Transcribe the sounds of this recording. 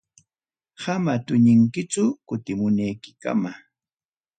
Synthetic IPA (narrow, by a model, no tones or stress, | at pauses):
hamat̪ʊɲɪŋkɪt͡ʃʊkʊt̪ɪmʊnajkɪ̥ka̰ma